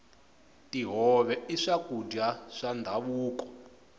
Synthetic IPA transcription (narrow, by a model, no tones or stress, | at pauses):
tiɦɔβɛiʂakudaʂandʱaβuːkɔ̥